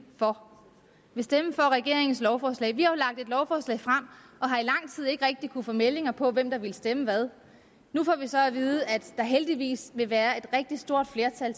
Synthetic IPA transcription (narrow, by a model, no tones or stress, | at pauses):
fɒ̽ | ʋe̝sd̥eməfɒ̽ʁɛɡ̥e̝ɐ̰e̝ŋn̩slɒʊfɒːslɛ̰ɪʋihɑʊlɑ̈ɡ̥d̥e̝d̥lɒʊfɒːslɛ̰ɪ̰fʁam̰ | ɒ̽ɦɑ̈ilɑ̈ŋ̰t͡sʰið̞̰ˠe̝ɡ̥ʁɛɡ̥̚d̥ikʰunfɔ̽mele̝ŋɐpʰɒ̽ʋem̰d̥ɑ̈ʋilsd̥eməʋæð̞ˠ | nufɒ̰ʋisɒ̽æʋiːð̩ˠəæd̥ɑ̈ɦeld̥iʋḭːsʋe̝ʋæːɐe̝d̥ʁɛɡ̥̚d̥isd̥o̝ɐ̰d̥fle̝ɐt͡sʰæl